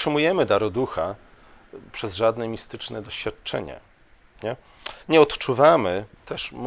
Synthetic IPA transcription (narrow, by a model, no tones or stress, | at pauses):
ʂɘmujɛmɘd̪aɾɔd̪uxa | pʂɛzʐad̪nɛmʲist̪ɘt͡ʂnɛd̪ɔɕfʲjat̪̚t͡ʂɛ̰ɲɛ̰ | ɲɛ | ɲɛɔt̪t͡ʂuvamɘt̪ʰɛʂm